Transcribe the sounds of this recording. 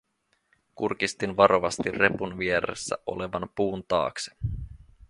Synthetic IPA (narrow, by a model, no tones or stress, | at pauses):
kurk̟ist̪inʋɑɾʔo̞ʋɑst̪irre̞punʋieɾḛsːæ̰ʔo̞̰le̞ʋɑmpuːnt̪ɑ̰ːksi̥